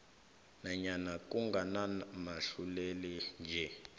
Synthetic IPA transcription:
naɲanak̬ʼuŋɡʱanamaɬulɛlɛnd͡ʒʱɛ

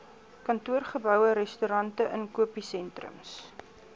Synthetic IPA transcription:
kɐntuərχəbœwəɾɛstyɾɐntəʔənkuəpisɛntrə̰ms

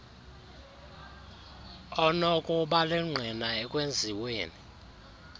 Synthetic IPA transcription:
ɔnɔkʼɔɓalɛŋ͡ǀʱinaɛkʼwend͡zʱiweːni

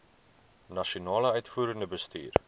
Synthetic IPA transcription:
nɐʃionɑːləœɥtfuːɾəŋdəbəsty̰ːr

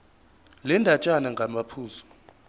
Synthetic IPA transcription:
lɛndʱat͡ʃʼanaŋɡʱamapʰuːzɔ̥

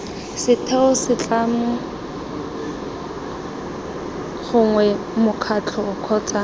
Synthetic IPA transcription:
sɪtʰɛʊsɪt͡ɬʼamʊ | ɣʊŋwɛ | mʊkʰat͡ɬʰɔʊkʰɔːt͡sʼaː

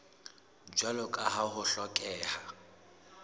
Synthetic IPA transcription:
d͡ʒwalʊkʼaɦahʊɬɔkʼɛːha

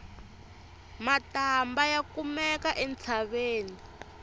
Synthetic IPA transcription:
matambajakumɛkaʔɛnt͡sʰaβeːni

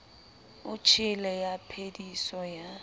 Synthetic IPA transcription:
ʊt͡ʃʰɪlɛjapʰedisɔja

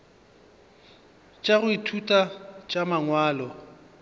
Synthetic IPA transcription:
t͡ʃʼaɣʊitʰutʼat͡ʃʼamaŋwaːlɔ

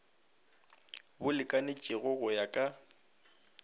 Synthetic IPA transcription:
bʊlɪkʼanɪt͡ʃʼɪɣʊɣʊjakʼa

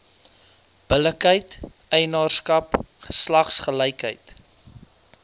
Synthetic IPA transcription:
b̥ələkɦəjtʔəjnɑːrskɐpχə̥slɐχsχəlɛjkɦə̰jt

